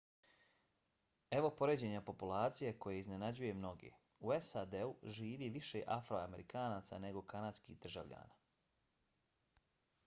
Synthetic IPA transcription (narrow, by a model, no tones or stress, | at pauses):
e̞ʋo̞po̞ɾeːd͡ʑe̞ɲapo̞pulaːt̪sijeko̞jeizne̞nad͡ʑuje̞mno̞ɡḛ | ue̞sad̪euʒiːʋiːʋiʃeʔafɾoame̞ɾikʰaːnaːt̪sa̰ne̞ɡo̞kʰanad̪skid̪r̩ʒaʋʎa̰ːnaː